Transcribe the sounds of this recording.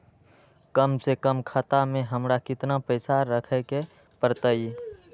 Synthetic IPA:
kəmsekəmkʰat̪amẽɦəmɾakɪt̪napəɪsaɾəkʰɛke | pəɾt̪əi

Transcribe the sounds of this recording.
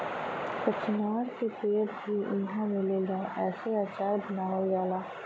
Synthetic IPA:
kət͡ʃnaːɾkepeːtbʱiʊɪnɦãmeleɡaːʔɛːseaːt͡ʃaːɾbənaːʋeʋaːlaː

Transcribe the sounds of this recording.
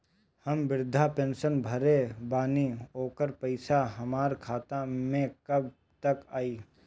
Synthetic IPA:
hɐmbɪɾd̪ʱapẽːnʃənbʱɐɾebaːnioːkəɾpəɪsaɦɐmaːɾkʰaːt̪amẽkɐbʱ | t̪ɐkaːiː

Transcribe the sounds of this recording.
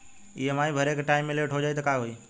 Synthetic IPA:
iːəmaːĩbʱəɾeːkʈaːɪmːẽleʈʰɦod͡ʒaːjt̪əkaɦuiː

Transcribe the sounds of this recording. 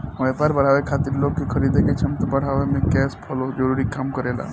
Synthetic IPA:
oepaɾbəɽ̤aːʋekʰat̪iɾloːɡkikʰəɾid̪ʱeket͡ʃʰɐmt̪əbəɽ̤aʋemẽkɛːspʰɔlod͡ʒəɾuːɾikaːmkəɾela̰ː

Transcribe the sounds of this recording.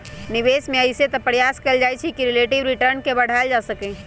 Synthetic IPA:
niʋesmẽəɪset̪ɔpɾjaskəld͡ʒajt͡ʃʰikiɾileʈiʋɾiʈəɾnkebəɽ̤aeld͡ʒasəkɛ

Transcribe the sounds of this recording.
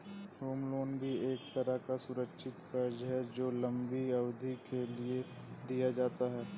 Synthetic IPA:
ɦoːmloːnbʱieːkt̪ɐɾəɦkasʊɾəkʃɪt̪kɐɾd͡ʒɦɛd͡ʒoːlɐ̃mbiɐʋd̪ʱikelie | d̪ijad͡ʒaːt̪aɦɛː

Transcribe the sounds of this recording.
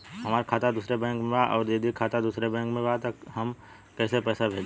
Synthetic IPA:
ɦɐmaːɾkʰaːt̪ad̪uːsɾebɛ̃ːŋkmẽbaʔɔːɾd͡ʒəd̪ʱikʰaːt̪ad̪uːsɾebɛ̃ːŋkmẽbat̪ɐkɦɐm | kɛːsepɛːsabʱeːd͡ʒ

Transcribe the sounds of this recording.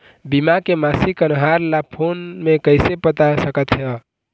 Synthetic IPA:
bimakemasikənɦaɾlapʰonmekəɪsepət̪asəkət̪jə

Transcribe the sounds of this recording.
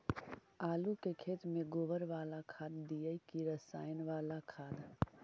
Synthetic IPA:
aːlukekʰeːt̪mẽɡoːbəɾʋaːlakʰaːd̪ːijəikiɾəsaːjnʋaːlakʰaːd̪

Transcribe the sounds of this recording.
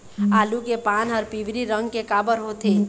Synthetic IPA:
aːlukepaːnɔːɾpiʋɾiɾə̃ŋɡkekaːbəɾɦot̪e

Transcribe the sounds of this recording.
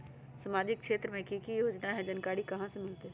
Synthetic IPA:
sɐmaːd͡ʒɪk̚kʃeːt̪ɾəmẽkikijoːd͡ʒnaɦɛ̃d͡ʒɐnkaːɽikɐɦãsemɪlt̪eː

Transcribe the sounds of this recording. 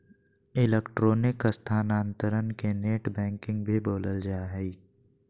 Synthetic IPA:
ɪleːkʈɾoːnɪkəst̪ʰaːnaːnt̪əɾənkeneːʈbɛ̃ːŋkɪ̃ŋɡbʱiboːləld͡ʒaːaɦɛi

